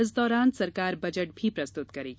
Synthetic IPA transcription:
ɪs̬d̪ɔːɾaːnsɐɾkaːɾbɐd͡ʒəʈ̚bʱipɾɐst̪ʊt̪kɐɾiː

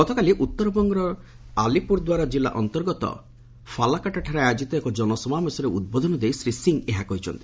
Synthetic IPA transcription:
ɡɔt̪ɔkaliʔut̪ːɔɾɔbɔŋɡɔɾɔ | alipuɾd̪waɾad͡ʒilːa̰ʔɔnt̪ɔɾɡɔt̪ɔ̰ | fʰalakaʈaʈʰaɾeajd͡ʒit̪ɔekɔd͡ʒɔnɔsɔmamesɔɾeud̪̚bɔd̪ʱɔnɔd̪ejsɾisiŋeɦakɔɦit͡ʃʰɔ̰nt̪i̥

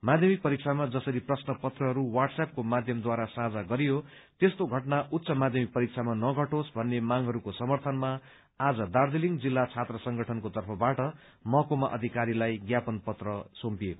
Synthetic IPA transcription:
mad̪ʱjʌmik̚pʌɾik̚t͡sʰamad͡zʌsʌɾiprʌsnʌpʌt̪rʌɦʌɾuwarɖsap̚komad̪ʱjʌmd̪waɾasad͡zaɡʌɾijo | t̪est̪oɡʱʌʈnaut̪ːsʌmad̪ʱjʌmik̚pʌɾik̚t͡sʰamanʌɡʱʌʈosbʱʌnːemaŋɦʌɾukosʌmʌrt̪ʰʌnma | ad͡zʌd̪ard̪iliŋd͡zilːat͡sʰat̪rʌsʌŋɡʱʌʈʰʌnkot̪ʌrpʰʌbaʈʌ | mʌkomaʔʌ̰d̪ʱikaɾilajɡjapʌnpʌt̪rʌsompijeko

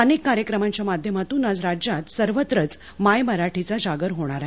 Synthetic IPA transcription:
ənekːaɾjəkɾəmãɲt͡ɕjamad̪ʱjəmat̪uːnad͡zɾad͡ʑjat̪səɾʋət̪ɾət͡s | majməɾaʈʰit͡sad͡ʑaɡəɾɦoɽ̃aɾaɦe

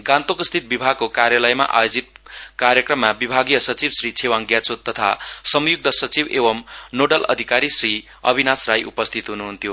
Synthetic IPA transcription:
ɡãnt̪okst̪ʰit̪̚bibʱaɡ̚kokaɾjalʌjma̰ʔa̰jod͡zit̪̚kaɾjʌkrʌmːabibʱaɡijʌsʌt͡sibsrit͡sʰewaŋɡjat͡sot̪ːʌt̪ʰa̰sʌmjuk̚t̪ʌsʌt͡sibebʌmnoɖʌlʔʌ̰d̪ʱikaɾisri | ʌ̰bʱinasrajʔupʌst̪ʰit̪ɦunuɦunt̪ʰjo

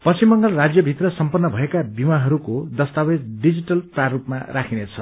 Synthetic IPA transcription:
pʌst͡ɕimːʌŋɡʌlrad͡zjʌbʱit̪rʌsʌmpʌnːʌbʱʌekabimaɦʌɾukod̪ʌst̪awed͡zɖid͡ziʈʌlprarupmarakʰinet͡sʰʌ

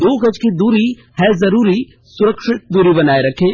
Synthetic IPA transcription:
d̪oːɡɐd͡ʒkid̪uːɾi | hɛzɐɾuːɾi | sʊɾəkʃɪʈ̪̚d̪uːɾibɐnaːeɾɐkʰeː

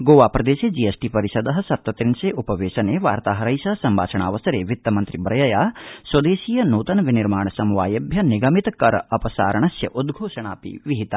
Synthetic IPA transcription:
ɡoːʋaːpɾɐd̪eːʃeːd͡ʒiesʈipɐɾiʃɐd̪ɐɦɐ̆sɐp̚t̪ɐt̪ɾinseːʔupɐʋeːʃɐneːʋaːɾt̪aːɦɐɾɐjʃɐɐsɐmbʱaːt͡ʃɐɳaːʋɐsɐɾeːʋit̪ːɐmɐnt̪ɾibɾɐjɐjaːswɐd̪eːʃijɐnuːt̪ɐnʋiniɾmaːɳ̃ɐsɐmuʋaːjɐbʱjɐniɡɐmit̪ɐkɐɾɐɐpɐsa̰ːɾɐɳɐsjɐ̰ʔud̪ɡʱoːʃɐɳaːpḭʋiɦit̪a

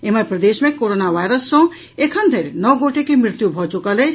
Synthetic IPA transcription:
eməpɾəd̪esmẽkoɾonaʋajɾəsːʌ̃ | ekʰənd̪ʱeɾenɔɡoʈekemɾɪt̪jubʱɔt͡ʃukəlet͡ʃʰ

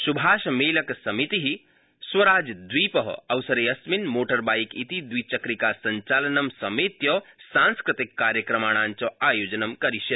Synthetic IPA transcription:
subʱaːʃmeːlɐksɐmit̪iɦi | swɐɾaːd͡ʒd̪wipəɦɐwsɐɾeɐsminmoːʈɐɾbaːjkit̪id̪wit͡ʃɐkɾikasɐɲt͡ʃalɐnɐmsɐmet̪jɔsãnskɾit̪ikːaːɾjəkɾɐmaːɽ̃aːnt͡ʃɔaːjoːd͡ʒɐnəmkɐɾisɐt̪

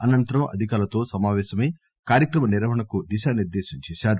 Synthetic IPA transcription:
ɐnɐnt̪ɐɾɐmɐ̰d̪ʱikaːlɐt̪o̞ːsɐmaːʋɛːʃɐmeː | kaːɾjɐkɾɐmɐniɾɐʋɐɳɐkud̪iʃaːniɾd̪eːʃiɲt͡ʃɛːʃaːɾu

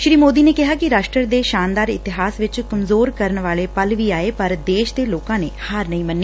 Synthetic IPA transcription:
ʃɾiːmoːd̪iːneːkɪɦaːkɪɾaːʃʈɾəɾd̪eːʃaːnd̪aːɾɪt̪ɪɦaːsʋɪt͡ʃkəmzoːɾkəɾənʋaːleːpəlʋiːaːeːpəɾd̪eːʃd̪eːloːkãːneːhaːɾnəɦĩːmənːeː

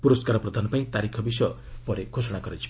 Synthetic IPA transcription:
puɾoskaɾɔprɔd̪ʱanɔpaĩt̪aɾikʰɔbis | pɔɾeɡʰʱosɔɽ̃aɡʌɾet͡ʃʰi̥

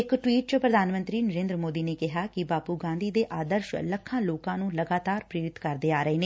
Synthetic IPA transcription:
ɪkʈwiːʈ̚t͡ʃpɾəd̪ʱaːnmə̃nt̪ɾiːnəɾẽːnd̪ɾmoːd̪iːneːkɪɦaːkɪbaːpuːɡãːnd̪iːd̪eːʔaːd̪əɾʃləkʰːãːloːkãːnũːləɡaːt̪aːɾpɾeːɾɪt̪kəɾd̪eːaːɾəeːneː

